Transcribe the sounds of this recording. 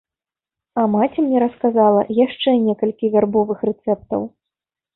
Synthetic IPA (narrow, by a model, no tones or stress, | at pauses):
ɐmat͡sʲimnʲɛɾɐskazalˠɐjaʂt͡ʂɛnʲɛkɐlʲkʲivʲarbɔvɨxrɛt̪sɛp̚t̪ɐ̰w